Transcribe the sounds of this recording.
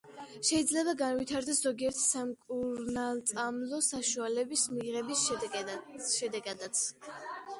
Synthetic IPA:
ʃɛid̪zlɛbaɡanvit̪ʰaɾd̪ɛszɔɡiɛɾt̪ʰsamkʼuɾnalˠt̪sʼamlˠɔsaʃualɛbismiʁɛbi | ʃɛd̪ɛɡad̪at̪sʰ

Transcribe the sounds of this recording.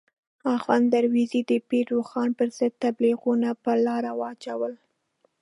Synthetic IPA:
ɑfɑnd̪aɾwizid̪əbiɾɾoxɑnpəɾz̥ɪd̪̚t̪abliɣunapəlɑɾawəat͡ʃawəl

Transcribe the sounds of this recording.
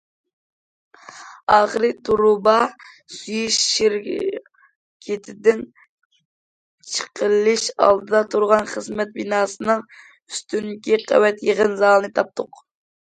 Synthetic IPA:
ɑːχəɾɨt̪ʰuɾubɑ | syjyʃːiɾ | kʲʰet̪ʰɪd̪ɪn | t͡ʃʰə̥qʰəlˠɨʃɑ̰lˠd̪ɨd̪ɑt̪ʰuɾʁɑnχəzmɛt̪̚binɑːsɨnɨŋ | yst̪ynkʲiqʰɛ̰wɛt̪jeʁənzɑlˠnɨt̪ʰɑp̚t̪ʰʊq

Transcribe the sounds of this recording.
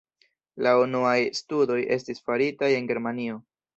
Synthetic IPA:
launuajstudo̞jʔe̞̰stisfaɾitaje̞nɡe̞ɾmanio̞

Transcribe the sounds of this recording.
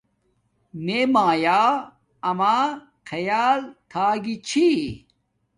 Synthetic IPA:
meːmaːjaː | ɐmaː | kʰɐjaːlt̪ʰaːɡit͡ɕʰi

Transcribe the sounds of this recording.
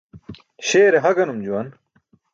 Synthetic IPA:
ɕeːɾeɦɐɡɐnumd͡ʑuwɐn

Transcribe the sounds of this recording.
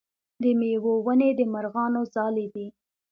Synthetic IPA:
d̪əmewowəned̪əmaɾɣɑnozɑled̪i

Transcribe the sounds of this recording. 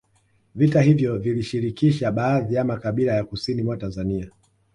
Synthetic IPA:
vitahivjɔviliʃiɾikiʃaɓaːðiamakaɓilajakusinimwatanzania

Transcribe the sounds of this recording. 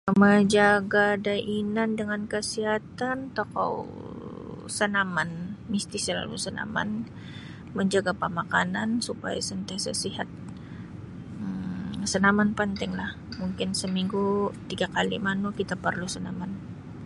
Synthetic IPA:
məd͡ʒaɡadaʔinandəŋankəsiɦat̪ant̪oka̰w | sənamanmist̪isəla̰lṵsəna̰ma̰n | məɲd͡ʒaɡapəmaka̰nansupa̰ja̰sənt̪iasa̰siɦat̪̚ | əsənamanpənt̪ɪŋlah | muŋkɪnsəmiŋɡut̪iɡakalḭmanukit̪apərlusənaman

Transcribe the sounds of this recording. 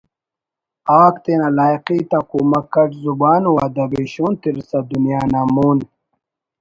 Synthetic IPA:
aːkt̪enalaːjqit̪akuːmakɐʈzubaːnwad̪ɐbiɕuːnt̪iɾsad̪unjaːnamuːn

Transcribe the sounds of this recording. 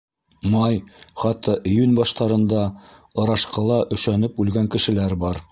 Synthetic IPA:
mɑjχɑt̪ːɑʔijʉnʲbɑʃt̪ɑɾɤ̆nd̪ɑɤ̆ɾɑʃqɤ̆lˠɑʔɵ̆ʃænɘpʉlɡæŋkɘ̆ʃɘ̆læɾbɑɾ

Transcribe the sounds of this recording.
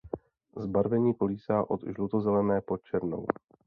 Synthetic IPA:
zbaɾvɛɲiːkoliːsaːʔod̪ʒlut̪ozɛlɛnɛːpot̪̚t͡ʃɛɾno̰w

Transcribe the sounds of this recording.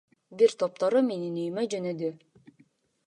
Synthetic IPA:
biɾt̪op̚t̪oɾumeninyjmød͡ʒønød̪y

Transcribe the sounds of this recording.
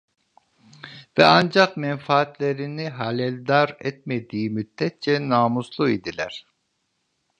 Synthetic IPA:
vɛɑnd͡ʒɑqmɛnfɑːt̪leɾinɪɦɑlɛld̪ɑɾɛt̪̚mɛd̪ijimyd̪ːɛt̪̚t͡ʃʰɛnɑːmuslˠuid̪ilæɾ

